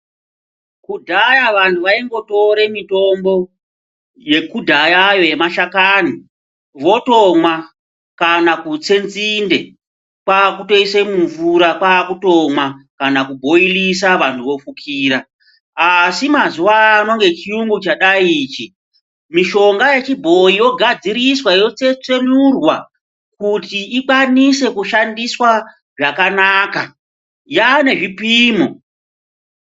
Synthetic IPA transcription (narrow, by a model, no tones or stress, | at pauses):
kudʱajaʋantʰuʋaiŋɡo̞to̞ɾe̞mito̞mbo̞ | je̞kudʱajajoemaʃakani | ʋo̞tomwa | kanakut͡se̞nzinde̞ | paːkuto̞isemuɱvuɾakaːkuto̞mwakanakubʱo̞ilisaʋantʰuʋo̞fukʰiːɾa | asimazuaːno̞ŋɡe̞t͡ʃiuŋɡut͡ʃaɗaiːt͡ʃi | miʃo̞ŋɡajet͡ʃibʱo̞ijo̞ɡʱad͡ziɾiswajo̞t͡se̞t͡se̞nurwa | kutiːkwanise̞kuʃandiswa | ʐakanaːka | jane̞ʐipiːmo